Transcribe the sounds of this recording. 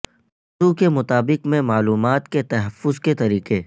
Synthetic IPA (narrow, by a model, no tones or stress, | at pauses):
ʊukemʊt̪aːbɪqmẽmaːluːmaːt̪ket̪ɐɦəfːʊzket̪ɐɾiːqe